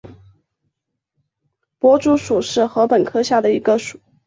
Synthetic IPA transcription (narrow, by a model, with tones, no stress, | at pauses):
pwɔ˧˥ʈ͡ʂu˥ʂu˨˩ʂɻ̩˥˩xɤ˧˥pə˨˩nkʰɤ˥ɕja˥˩d̪ə˩i˧˥ɡə˧ʂu˨˩˦